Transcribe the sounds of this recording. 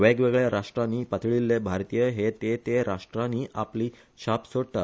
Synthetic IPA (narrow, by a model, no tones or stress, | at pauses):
ʋeɡʋeɡɭjaɾaʂʈɾãnːiːpət̪ʰɭilːebʱaɾt̪ijəɦet̪et̪eɾaʂʈɾãniːʔapliː | ɕapsoɽt̪a